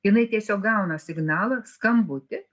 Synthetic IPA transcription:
jɪnɐɪt̪ʲiɛsʲoːk̚ɡɐʊnɐsʲɪɡnɑːlˠɐskɐmbʊt̪ʲɪ

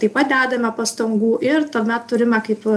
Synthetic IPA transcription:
t̪ɐɪpɐt̪̚d̪ʲæːd̪ɐmʲɛpɐst̪ɐŋɡuːʔɪɾt̪ɐmʲɛt̪tʊɾʲɪmɛkɐɪp

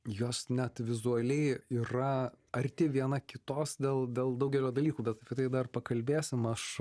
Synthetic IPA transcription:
joːsnʲɛt̪ʋʲɪzuɐlʲɛɪiːɾɐ | ɐɾʲt̪ʲɪʋʲiɛnɐkʲɪt̪oːsd̪ʲeːlˠd̪ʲeːlˠd̪ɐʊɡʲɛlʲoːd̪ɐlʲiːkuːbʲɛt̪ɐpʲɛt̪ɐɪd̪ɐrpɐkɐlʲbʲeːsʲɪmɐʃ

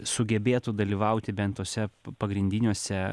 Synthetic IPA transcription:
sʊɡʲɛbʲeːt̪ud̪ɐlʲiːʋɐʊt̪ʲɪbʲɛnt̪t̪ːoːsʲɛpɐɡɾʲɪnʲd̪ʲinʲuɔsʲɛ

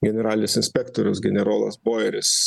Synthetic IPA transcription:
ɡʲɛnʲɛɾɑːlʲɪnʲʊsɪnʲsʲpʲɛkt̪oɾʲʊsɡʲɛnʲɛɾoːlˠɐsboːjɛɾʲɪs

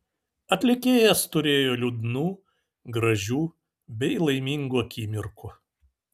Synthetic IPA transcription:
ɐt̪ʲlʲɪkʲeːjɛst̪ʊɾʲeːjoːlʲud̪nuː | ɡɾɐʒʲuː | bʲɛɪlˠɐɪmʲiŋɡuɐkʲiːmʲɪɾkʊ

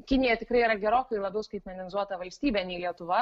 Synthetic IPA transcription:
kʲɪnʲɪjɛt̪ʲɪkɾɐɪiɾɐɡʲɛɾoːkɐɪlˠɐbʲɛʊskɐɪt̪ʲmʲɛnʲɪnʲɪzuɔt̪ɐʋɐlʲsʲt̪ʲiːbʲɛnʲɛɪlʲiɛt̪ʊʋɐ

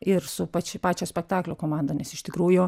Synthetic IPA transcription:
ɪɾsʊpɑt͡ʃʲɪpɑːt͡ʃʲoːsʲpʲɛk̚t̪ɑːklʲʊkoːmɑːnd̪ɐnʲɛsɪʃʲt̪ʲɪkɾuːjʊ

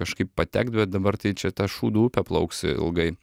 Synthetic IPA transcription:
kɐʃkɐɪppɐt̪ʲæk̚t̪̚bʲɛt̪̚d̪ɐbɐɾt̪ɐɪt͡ʃʲɛt̪ɐʃuːd̪uːʊpʲɛplˠɐ̰ʊksʲɪ̰ɪ̰lˠɡɐɪ

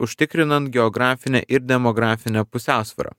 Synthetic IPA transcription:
ʊʃʲt̪ʲɪkɾʲɪnɐnt̪ɡʲɛɔɡɾɑːfʲɪnʲɛ̰ʔɪɾd̪ʲɛmɔɡɾɑːfʲɪnʲɛpʊsʲæˑʊsʲʋʲɐ̰ɾɑ̰ː

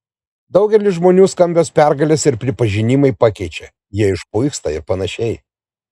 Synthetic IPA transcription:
d̪ɐʊɡʲɛlʲɪʒmoːnʲuːskɐmʲbʲospʲæɾɡɐlʲɛsɪɾpʲɾʲɪpɐʒʲɪnʲɪmɐɪpɑːkʲɛɪt͡ʃʲɛ | jiɛɪʃpʊɪkst̪ɐɪɾpɐnɐʃʲɛɪ

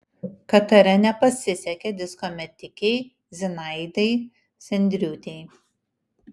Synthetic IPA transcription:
kɐt̪ɐɾʲɛnʲɛpɐsʲɪsʲɛkʲɛd̪ʲɪskomʲɛt̪ʲɪkʲɛɪ | zʲɪnɐɪd̪ɐɪ | sʲɛnʲd̪ʲɾʲuːt̪ʲɛɪ

